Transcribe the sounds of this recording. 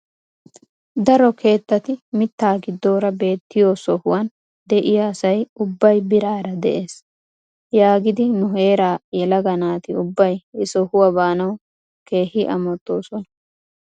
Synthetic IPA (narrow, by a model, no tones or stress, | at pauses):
d̪ɐɾɔkʰe̞ːt̪ːɐt̪ɪmɪt̪ːaːɡɪd̪oːɾɐbe̞ːt̪ːɪjoːsɔhʊwɐn | d̪ɛʔɪjaːsɐjʊbːɐjbɪɾaːɾɐd̪ɛ̰ʔe̞ːs | jaːɡɪd̪ɪnʊhe̞ːɾaːjɛlɐɡɐnaːt̪ɪʊbːɐjɪsɔhʊwɐbaːnɐw | ke̞ːhɪʔɐ̰mɔt̪ːo̞ːsɔnɐ̥